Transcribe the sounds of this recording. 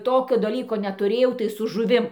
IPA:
ˈtoːkʲoː dɐˈlʲiːkoː nʲɛtʊˈrʲeːjɛʊ tɐɪ sʊ ʒʊˈʋʲɪm

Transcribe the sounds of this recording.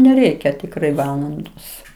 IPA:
nʲɛˈrʲɛɪkʲɛ tʲɪkˈrɐɪ ˈʋɑːlˠɐndoːs

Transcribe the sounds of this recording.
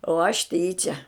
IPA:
oː ɐʃ ˈtʲiːt͡ʃʲɛ

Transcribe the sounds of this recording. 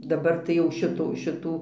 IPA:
dɐˈbɐr tɐɪ ˈjɛʊ ˈʃʲɪtuː ʃʲɪˈtuː

